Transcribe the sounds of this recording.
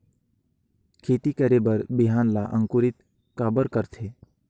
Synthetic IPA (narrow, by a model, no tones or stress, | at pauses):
kʰeːt̪ikəɾebəɾbɪɦaːnlaʔə̃ŋkuɾɪt̪ | kaːbəɾkəɾt̪ʰeː